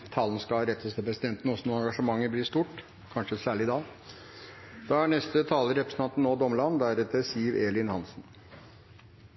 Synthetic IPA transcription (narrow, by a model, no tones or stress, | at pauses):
t̪ʰɑːln̩skɑɾɛt̪ʰːəst̪ʰɛpʰɾɛsɪd̪ɛnt̪nɔsɔnuːɑŋɡɑʂəmɑŋːəblɪst̪uːʈ | kʰɑnʂəsæːɭɪd̪ɑː | d̪̥ɑːæɳɛst̪ət̪ʰɑːləɾɛpɾəsən̩ʰɑnt̪n̩ːoːd̪ɔməɭɑnːd̪æɾɛt̪əsiʋeːlɪnhɑnsn̩